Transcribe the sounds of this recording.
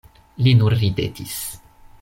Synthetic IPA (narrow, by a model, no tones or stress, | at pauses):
linuɾːibḛtʰis